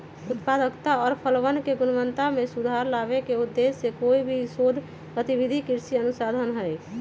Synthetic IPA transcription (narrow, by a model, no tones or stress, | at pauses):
ut̪pad̪əkt̪aɔːɾpʰəlʋənkeɡʊnəʋənt̪amẽsud̪ʱaɾlaβekeud̪ːesːekoibʱisod̪ʱ | ɡət̪ibid̪ʱikiɾsiənusad̪ʱənɦəj